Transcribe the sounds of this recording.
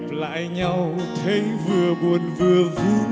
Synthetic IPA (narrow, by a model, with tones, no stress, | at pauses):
la̰ː˧˨jɲa˧wt̪ʰe˨˦vɨ˨˩əɓu˨˩ənvɨ˨˩əvu˨˦